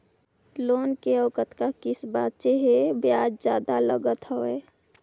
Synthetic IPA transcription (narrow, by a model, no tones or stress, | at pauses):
loːnkeəkət̪kakɪsbaːt̪t͡ʃeɦebjaːd͡ʒd͡ʒjaːd̪aləɡət̪ɦəeː